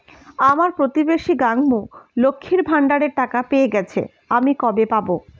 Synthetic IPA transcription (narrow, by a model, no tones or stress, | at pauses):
amaɾpɾot̪ibeʃiɡaŋmolokʰːiɾbʱaɳɖaɽeɾʈakapeeɡɛt͡ɕʰḛ | amikɔbepabo